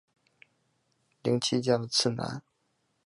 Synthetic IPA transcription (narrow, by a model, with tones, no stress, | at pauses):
li˧˥˦ŋt͡ɕʰi˥t͡ɕjɑ˥˩ə˧t͡sʰɹ̩˥˩na̰˧˥˦n